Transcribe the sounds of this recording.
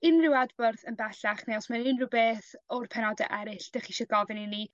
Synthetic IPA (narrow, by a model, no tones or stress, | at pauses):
ɪnrɪwadbɔrθənbɛɬaχnɛwsmanɪnrubeːθɔrpʰɛnɔdɛ̰ʔɛɾɪɬd̥aχiʃɔɡɔvɪnini